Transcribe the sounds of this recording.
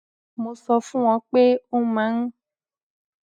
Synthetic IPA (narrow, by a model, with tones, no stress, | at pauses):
mõ˨sɔ˨fũ˦w̃ɔ̃˨˦k͡pe˦o˦mã˨˦ŋ˦